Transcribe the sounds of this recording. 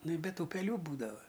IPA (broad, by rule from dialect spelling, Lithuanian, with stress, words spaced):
ˈnʊ ɪ ˈbʲɛt ˈtuː pʲɛˈlʲuː ˈbuːdɐʋɐ